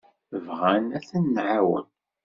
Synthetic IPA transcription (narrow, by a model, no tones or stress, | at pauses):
vʁænæθənːʕawə̰n